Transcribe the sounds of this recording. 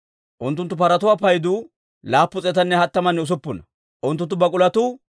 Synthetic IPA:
ʔʊnt̪ːʊnt̪ːʊpɐɾɐt̪ʊwapɐjd̪ʊ | laːpːʊt͡sʼɛt̪ɐnːɛhɐt̪ːɐmɐnːɛʊs̬ʊpːʊnɐ | ʔʊnt̪ːʊnt̪ːʊbɐkʼʊlɐt̪u

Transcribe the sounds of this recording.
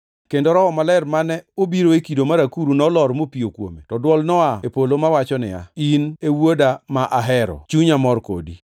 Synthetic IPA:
kendoɾɔɔmalɛrmanɛobiɾoekidomaɾakuɾunɔlɔɾmopiokwo̰metɔdwɔlnɔaepolomawat͡ʃɔnɪ̰a̰inewodamaʔaɦɛɾɔ̰t͡ʃuɲamɔrko̰dḭ

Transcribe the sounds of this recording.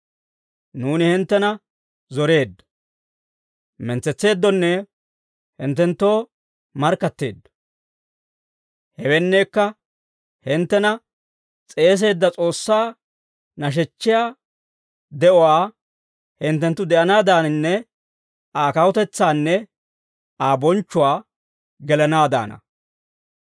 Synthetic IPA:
nuːnɪhɪnt̪ːɛnɐ | zɔɾe̞ːd̪ːɐ̥ | mɛnt͡sːɛt͡sːe̞ːd̪ːɔnːɛ | hɪnt̪ːɛnt̪ːo̞ː | mɐɾkːɐt̪ːe̞̰ːd̪ːɐ̥ | hɛwɛnːeːkːɐ | hɪnt̪ːɛnɐ | t͡sʼe̞ːs̬e̞ːd̪ːɐt͡sʼo̞ːsːaː | nɐʃ̬ɛt͡ʃːɪjaː | d̪ɛʔɔwaː | hɪnt̪ːɛnt̪ːʊd̪ɛʔɐnaːd̪aːnɪnːɛ | aːkɐwʊt̪ɛt͡sːaːnːɛ | aːbɔnt͡ʃːʊwaː | ɡɛlɐnaːd̪a̰ːnɐ̰

